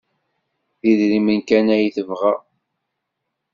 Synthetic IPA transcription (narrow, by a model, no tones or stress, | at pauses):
ðiðɾimənkænæjθəvʁæ